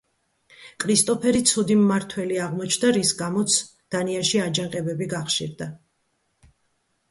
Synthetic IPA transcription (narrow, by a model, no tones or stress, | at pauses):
kʼɾist̪ʼɔpʰɛɾit̪sʰud̪imːaɾt̪ʰwɛliaʁmɔt͡ʃʰnd̪aɾisɡamɔt̪sʰ | d̪̥aniaʃiad͡ʒaŋqʼɛbɛbiɡaχʃḭɾd̪a